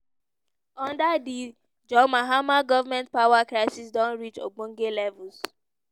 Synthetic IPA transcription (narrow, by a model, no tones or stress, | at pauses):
ɔ̃ndadi | d͡ʒɔmaɦamaɡɔvamɛ̃nt̚pawakɹaɪsisdɔ̃nɹit͡ʃo̰ɡ͡bõŋɡelɛvuls